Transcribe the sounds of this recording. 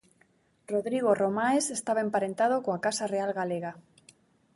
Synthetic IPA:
roðɾiɣ̞oromaesest̪aβaempaɾent̪að̞okoakasarealɣaleɣa

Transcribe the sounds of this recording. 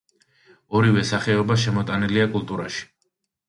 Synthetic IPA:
ɔɾivɛsaχɛɔbaʃ̬ɛmɔt̪ʼaniliakʼulˠt̪ʼuɾa̰ʃi̥

